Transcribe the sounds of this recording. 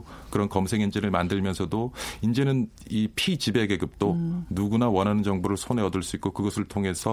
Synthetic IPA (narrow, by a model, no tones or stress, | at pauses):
kɯɾʌnkʌmsʰe̞ŋind͡ʑeɾɯɭmandɯɭmjʌnsʰʌdoind͡ʑe̞nɯn | ipʰit͡ɕibe̞ɡe̞ɡɯp̚t͈onuɡunawʌnɦanɯnd͡ʑʌŋboɾɯɭsʰone̞ʌdɯɭs͈uik͈okɯɡʌsʰɯɭtʰoŋe̞sʰʌ